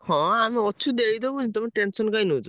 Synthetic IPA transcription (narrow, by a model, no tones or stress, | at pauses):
hɔ̃amiɔt͡ʃʰud̪ekʰid̪ɔbunit̪ɔmiʈensɔnkajnot̪